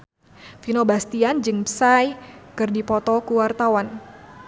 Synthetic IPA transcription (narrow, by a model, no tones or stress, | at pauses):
finobast̪iand͡ʒɨŋpsajkɨrdipɔt̪ɔkuwart̪awan